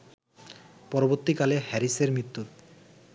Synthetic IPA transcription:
pɔɾoboɾt̪ːikalehɛɾiseɾmɾit̪ːu

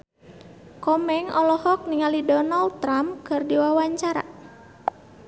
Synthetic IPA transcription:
kɔmɛŋɔlɔhɔk̚niŋalidɔnald̚t̪ɾamkɨrdiwawaɲt͡ʃaɾa̰

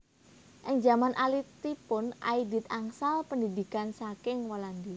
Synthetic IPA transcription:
ʔɪŋd͡ʒamanʔalit̪ipʊnʔa̰id̪it̪̚aŋsalpəndid̪ikansakɪŋwaland̪i

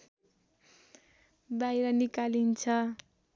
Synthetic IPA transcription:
bajɾʌnikalint͡sʰʌ

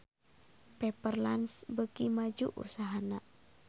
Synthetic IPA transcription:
pɛpərlansbəkimad͡ʒṵʔṵsaɦana

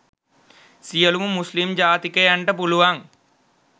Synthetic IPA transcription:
sijɐlumumuslimd͡ʒaːt̪ikejɐɳʈɐp̬uluʋaːŋ

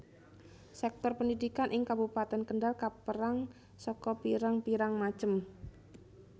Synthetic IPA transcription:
sɛk̚t̪ɔrpəndidikanʔɪŋkabupat̪ɛnkəɳdalkapəɾaŋ | sɔkɔpiɾaŋpiɾaŋmḁt͡ʃəm

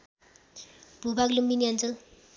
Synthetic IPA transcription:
b̥ʱubaɡlumbiniʌnt͡sʌl

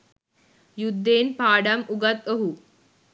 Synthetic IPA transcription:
jud̪ːeːnpaːɖamʔuɡat̪oɦu

